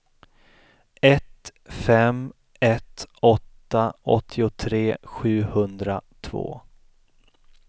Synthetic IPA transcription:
ɛt̪fɛm | ɛt̪ɔt̪ːaɔ̰t̪ʰːɪʊt̪ʰɾeːɧʉ̟ːhɵnd̪ɾat̪ʰvo̰ː

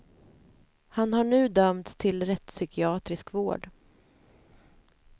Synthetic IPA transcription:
hanhaɳʉ̟ːd̪œmt̪st̪ʰɪlɾɛt̪sʏkʰɪɑːt̪ɾɪskvo̰ːɖ

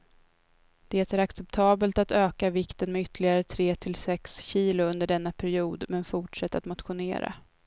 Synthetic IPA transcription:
d̪̥eːt̪æɾaksɛpt̪ʰɑːbəlt̪at̪øːkavɪkt̪ənmɛʏt̪ːəlɪɡaɾət̪ʰɾeːt̪ʰɪlsɛksɕiːlʊɵnd̪əɖɛnːapʰæɾɪuːd̪mɛnfʊʈʂɛt̪ːat̪mʊt̪ɧʊnḛːɾa̰

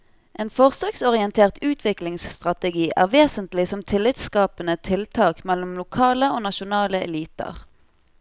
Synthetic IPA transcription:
ʔeːnfɔʁsøksɔʁɪənt̪ʰeːʁt̪ʉːt̪ʰʋɪklɪŋsst̪ʁɑt̪ɛɡiːʔæ̰ːʁʋeːsənt̪lɪsɔmt̪ʰɪlːɪt̪skɑːpənət̪ʰɪlt̪ʰɑːkmɛlɔmlʊkʰɑːləoːnɑʃʊnɑːləɛ̰liːt̪ə̰ʁ

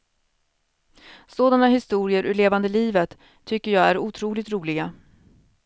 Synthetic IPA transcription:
soːd̪anaɦɪst̪uːɾɪəɾʔɵɭeːvand̪əliːvət̪ʰː | ʏkːəjɑːɡæɾuːt̪ʰɾuːlɪt̪ɾuːlɪɡa

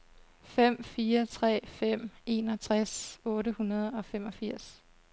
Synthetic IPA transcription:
fem̰fiːɐt͡sʰʁɛ̰ːfem̰e̝ːnɒ̽t͡sʰʁasɔ̽ːɾəhunɐð̞ˠɒ̽fem̰ɒ̽fiɐ̰s

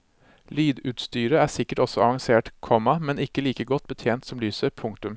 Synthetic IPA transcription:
lyːd̪ʉːt̪st̪yːɾəæːsɪkːəʈɔsɔɑʋɑŋseːʈkʰɔmɑmɛnɪkːəliːkəɡɔt̪̚ːbət̪ʰjeːnt̪sɔmlyːsəpʰʊŋkt̪ʉm

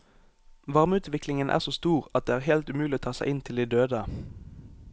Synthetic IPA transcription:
ʋɑʁməʉːt̪ʋɪklɪŋənʔæ̰ːʁsoːst̪uːʁɑt̪̚d̪eːæːʁhɛlt̪ʉmʉːlɪoːt̪ʰɑːsæ̰ɪʔɪnt̪ʰɪld̪iːd̪øːd̪ə

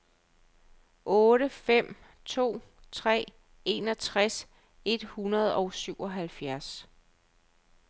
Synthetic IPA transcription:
ʔɔ̽ːɾəfem̰ | t͡sʰo̝̰ːt͡sʰʁɛ̰ː | e̝nɒ̽t͡sʰʁas | e̝d̥hunɐð̞ˠɒ̽ʊsyʊ̰ʔɒ̽ɦælfjæɐs

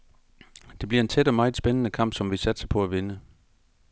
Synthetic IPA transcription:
d̥e̝b̥liɐe̝nt͡sʰed̥ɒ̽mɑ̈ːð̩ˠsb̥enənəkʰɑ̈m̰b̥sɒ̽mʋisæd̥sɑpʰɒ̽æʋe̝nə

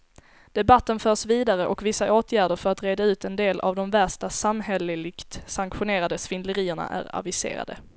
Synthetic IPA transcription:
d̪̥ɛbat̪ːənfœːʂviːd̪aɾəʔɔkvɪsːaʔoːt̪ʰjæːɖəɾfœɾat̪ɾeːd̪aʉ̟ːt̪ɛnd̪eːlʔa̰vd̪ɔmvæʂʈasamɦɛlɪlɪkt̪saŋkɧʊneːɾad̪əsfɪnd̪ləɾiːəɳa̰ʔæ̰ɾa̰vɪsḛːɾa̰d̪ə̰

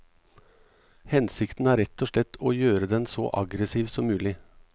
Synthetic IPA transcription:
hɛnsɪkt̪n̩əæːɾɛt̪ʰːoːʂɭɛt̪ːʰoːjøːɾəd̪ɛnsɔ̰ʔɑ̰ɡɾəsiːʋsɔmːʉːlɪ

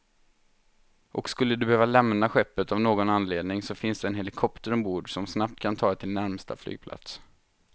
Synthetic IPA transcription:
ʔɔkskɵlːəd̪ɵbɛhøːvalɛmnaɧɛpːət̪avnoːɡɔnanleːd̪nɪŋsɔfɪnsd̪ɛːnɦɛlɪkʰɔpt̪əɾɔmbuːɖsɔmsnap̚t̪̚kʰant̪ʰɑːt̪ʰɪlnæɾmst̪a̰fly̰ɡ̥̚pʰla̰t̪s

